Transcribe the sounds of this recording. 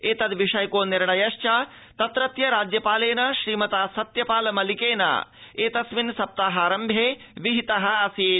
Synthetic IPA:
eːt̪ɐd̪ʋiʂɐjkoːniɾɳɐjɐʃt͡ʃɐ | t̪ɐt̪ɾɐt̪jɐɾaːd͡ʒjɐpaːleːnɐʃɾiːmɐt̪aːsɐt̪jɐpaːlɐmɐlikeːnɐ̰eːt̪ɐsʋinsɐp̚t̪aːɦaːɾɐmbʱjeː | ʋiɦit̪ɐɦɐ̆ɐsieː

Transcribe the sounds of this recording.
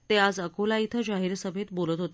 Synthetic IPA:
t̪ead͡zəkolait̪ʰəd͡ʑaɦiːɾsəbʱet̪bolət̪ɦot̪

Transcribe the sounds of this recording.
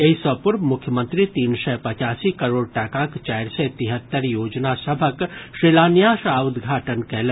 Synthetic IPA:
eisəpʊɾbmʊkʰjəmə̃nt̪ɾit̪iːnsɛpɐt͡ʃaːsikɐɾoːɽʈəkãkt͡ʃaːɾset̪ɪɦət̪ːəɾjoːd͡ʒnasɐbʱəkʃɾilaːnjaːʃaːʊd̪ɡʱaːʈənkɛɦl

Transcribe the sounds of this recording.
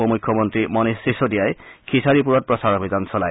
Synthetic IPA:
ɔmujkʰːjɔmɔntɹimɔnisisodijajkʰisaɹipuɹɔt̚pɹɔsaɹɔbʱizdansɔlaj

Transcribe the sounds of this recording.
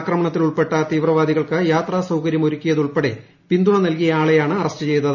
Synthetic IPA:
krɐmɐɳɐt̪ːiluɭpe̞ʈːɐt̪iːʋrɐʋaːd̪iɣɐɭkɨjaːt̪raːsɐwkɐɾjɐmo̞ɾukʲːijɐðuɭpeɽḛ | pind̪uɳɐnɐlkijɐaːɭejaːɳɨɐrɐstɨt͡ɕe̞jnːɐðɨ

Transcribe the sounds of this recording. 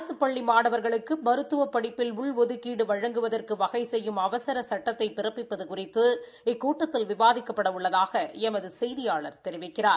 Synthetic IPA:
sɯpːɐɭːimaːɽɐʋɐɾɣɐɭɯkːɯmɐɾɯt̪ːɯʋɐpːɐɽɪpːɪlʊɭʋɔðɯkiːɽɯʋɐɻɐŋɡɯʋɐðɐrkɯʋɐɣɐɪsɛjːɯmɐʋɐsɐɾɐsɐʈːɐt̪ːɐɪpːɪrɐpːɪpːɐðɯkʊrɪt̪ːɯ | ɪkːuːʈːɐt̪ːɪlʋɪbaːðɪkːɐpːɐɽɐʊɭːɐðaːɣɐɛmɐðɯsɛjðɪjaːɭɐɾt̪ɛɾɪʋɪkːɪraːɾ

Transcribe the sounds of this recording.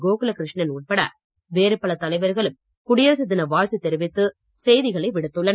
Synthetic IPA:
ɡoːkɯlɐkɪɾɪʂɳɐnuʈ̚pɐɽɐ̰ | ʋeːɾɯpːɐɭɐt̪ːɐlɐɪʋɐɾɣɐɭɯm | kʊɽɪjɐɾɐsɐt̪ːɪnɐʋaːɻt̪ɯt̪ːɛɾɪʋɪt̪ːɯ | sɛjðɪɣɐɭɐɪʋɪɽɯt̪ːɯɭːɐn

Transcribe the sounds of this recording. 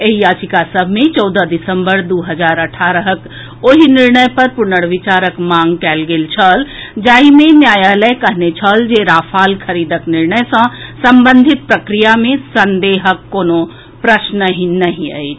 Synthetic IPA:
eɦijat͡ʃikasəbʱmẽt͡ʃɔːd̪əd̪isəmbəɾd̪uɦəd͡ʒaːɾəʈʰaɾəɦək | oɦiniɾnəjpəɾpʊnəɽʋit͡ʃaɾəkmãŋɡkɛːlɡeːlt͡ʃʰəld͡ʒaɦimẽnjaːjaləjkəɦnet͡ʃʰəld͡ʒeɾapʰaːlkʰəɾiːd̪əkniɾnəjsə̃səmbənd̪ʱit̪̚pɾəkɾijamẽsənd̪eɦəkːoːno | pɾəʃnəɦĩnəɦĩə̰jt͡ʃʰ

